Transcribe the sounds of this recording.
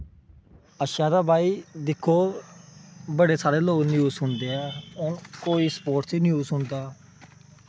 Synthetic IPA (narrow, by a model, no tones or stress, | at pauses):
əʃjaːd̪aːbʱaːiːd̪ɪkʰːoː | bəɽeːsaːɽeːloːɡnjuːzsʊnd̪eːɦɛːonkoːiːspoːʈsiːnjuːsʊnd̪aː